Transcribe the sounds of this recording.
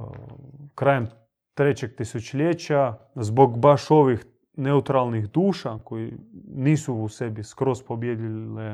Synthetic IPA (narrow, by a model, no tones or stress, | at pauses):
kɾaːjem | t̪ɾet͡ɕek̚t̪isut͡ʃlʲet͡ɕazboɡbaʃoʋix | neut̪ɾalˠnixd̪uːʃakojiniːsuːsebiskɾo̞spobjed̪ie